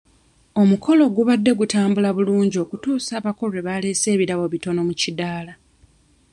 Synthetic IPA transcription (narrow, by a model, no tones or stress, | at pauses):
o̞mukʰo̞lo̞ɡuβadːe̞ɡutaːmbulaβuluːɲɟio̞kutuːsaːβako̞leβale̞ːse̞ːβiɾaβo̞βito̞no̞mucidaːla